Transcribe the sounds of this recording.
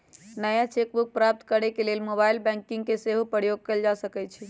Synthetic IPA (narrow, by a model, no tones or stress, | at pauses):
nəjat͡ʃek̚buk̚pɾap̚t̪kəɾekelelmobailbɛ̃ŋkĩŋɡ̚keseɦopəɾjoɡ̚kəld͡ʒasəkɛt͡ʃʰi